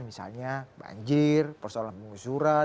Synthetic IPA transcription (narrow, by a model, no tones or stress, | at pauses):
misa̰lɲaba̰ɲd͡ʒɪrpərsolanbəŋusuɾa